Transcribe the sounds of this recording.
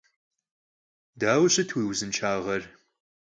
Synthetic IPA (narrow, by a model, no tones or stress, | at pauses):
daːwɕʼɐtʰwiːwzɨnt͡ʃʰaːʁɐr